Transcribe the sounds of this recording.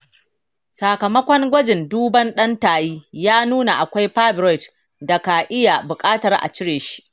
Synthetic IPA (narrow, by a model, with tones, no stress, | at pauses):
sa˨kɐ˨mɐ˦kʷɔ˦ŋɡʷɐ˦d͡ʒɪ˨nduː˦bɐ˦nɗɐ˦ntaː˨jiː˦jaː˦nuː˦na˨ʔa˨kʷa˦jɸaː˦bɾɔ˦˨jt | da˨ka˨ʔɪ˦ja˨bʊ˨kʼaː˦tɐ˨rʔa̰˨t͡ʃɪ˦ɽeː˨ʃi̥˦ʔ